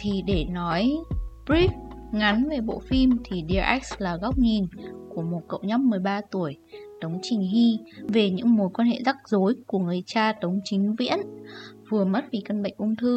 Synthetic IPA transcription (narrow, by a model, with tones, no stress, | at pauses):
t̪ʰi˨˩ɗe˧˩nɔ˨˦jbɹi˦˥f̚ŋa˨˦nve˨˩ɓo̰˧˨fi˧mt̪ʰi˨˩ɗi˨˩əʔɛ˦˥k̚slaː˨˩ɣa˦˥wk͡p̚ɲi˨˩nku˧˩əmo˨˩t̚kə̰˧˨wɲɔ˦˥m̚mɨ˨˩əjɓaː˧t̪u˧˩əjt̪ə˨˦wŋ͡mt͡ɕï˨˩ŋ̟ɦi˧ve˨˩ɲɨ̰˧˥ŋmo˨˦jkwa˧nhḛ˧˨za˦˥k̚zo˨˦jku˧˩əŋɨ˨˩əjt͡ɕaː˧t̪ə˨˦wŋ͡mt͡ɕï˨˦ŋ̟vḭ˧˥ənvɨ˨˩əmə˦˥t̚vi˨˩kə˧nɓə̰˧˨jŋ̟ʔʊ˧ŋ͡mt̪ʰɨ˧